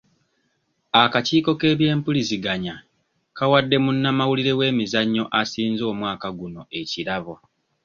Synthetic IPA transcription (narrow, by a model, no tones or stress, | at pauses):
akaciːko̞ke̞ːβje̞ːmpuliziɡaɲa | kawadːe̞munːamawuliɾe̞we̞ːmizaɲːo̞ʔasiːnzo̞ːmwaːkaɡuno̞e̞ciɾaβo